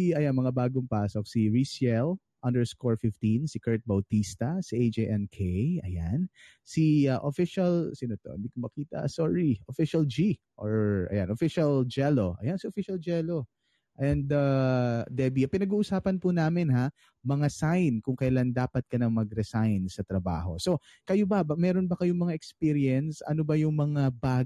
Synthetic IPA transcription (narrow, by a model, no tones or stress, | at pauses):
iɐjanmɐŋabaːɡoŋpasok̚siɹisjɛl | ʔɐnd̪ɛɹskoɹfɪft̪insɪkɛɹt̪̚bɐwt̪ist̪ɐsiʔejd͡ʒeʔɛnkʰejɐ̰jan | siaʔofɪʃɐlsɪnot̪o̰hɪ̰d̪ikʊmɐkiːt̪ɐ̰soɹiʔofiʃɐld͡ʒi | ʔoɹʔɐ̰janʔofɪʃɐld͡ʒɛlo̞ʔɐjansiʔofiʃɐld͡ʒɛlo | ʔɛnd̪ad̪ɛbiɐpɪnɐɡuːʔʊsaːpɐnpʊnaːmɪnha | mɐŋasajnkʊŋkɐjland̪aːpɐt̪̚kɐnɐŋmɐɡ̚ɾɛsajnsɐt̪ɾɐba̰ːɦo̞̰so̞ | kɐjobɐmɛɾonbɐkɐjoŋmɐŋaʔɛkspiɾjɛnsɐ̰nobɐjʊŋmɐŋabaː